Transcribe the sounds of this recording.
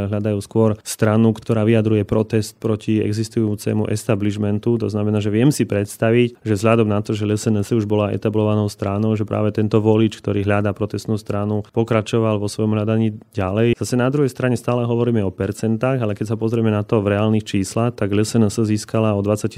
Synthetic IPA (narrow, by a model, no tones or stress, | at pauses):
ɦlad̪ajuːskʊɔɾst̪ɾanukt̪ɔɾaːʋiad̪ɾujɛpɾɔt̪ɛst̪̚pɾɔciɛ̰ɡzist̪ujuːt͡sɛ̰ːmuʔɛst̪abliʒmɛnt̪ut̪ɔznamɛnaːʒɛʋɪɛmsipɾɛt̪st̪aʋicʒɛvzɦʎad̪ɔmnat̪ɔʒɛʎɛsɛnɛsəuʒbɔlaʔɛ̰t̪ablɔʋanɔʊst̪ɾanɔʊʒɛpɾʔa̰ːʋɛt̪ɛnt̪ɔʋɔlit͡ʃkt̪ɔɾiːɦʎad̪apɾɔt̪ɛst̪nuːst̪ɾanupɔkɾat͡ʃɔʋalʋɔsʋɔjɔmɦʎad̪aɲiːɟalɛjzasɛnad̪ɾuɦɛjst̪ɾaɲɛst̪aːlɛɦɔʋɔɾiːmɛɔpɛɾt͡sɛnt̪aːɣalɛkɛcs̬apɔzɾɛmɛnat̪ɔvɾɛaːlnixt͡ʃiːslaxt̪aɡʎɛsɛnɛsəziːskalaɔd̪ʋat͡sːac